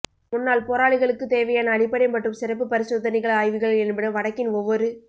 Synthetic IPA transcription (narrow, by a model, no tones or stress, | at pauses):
mʊnːaːlpoːɾaːɭɪɣɐɭɯkːɯt̪eːʋɐjaːnɐːɽɪpːɐɽɐɪmpɐʈːɯmsɪrɐp̬ːɯpɐɾɪsoːðɐnɪɣɐɭaːjʋɯɣɐɭɛnbɐɽɐʋɐɽɐkːɪnɔʋːɔɾɯ